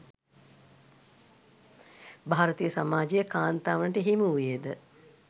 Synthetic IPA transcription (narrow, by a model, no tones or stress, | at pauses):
bʱaːɾət̪ijəsamaːd͡ʒejəkaːnt̪aːʋənəʈəɦimujed̪ə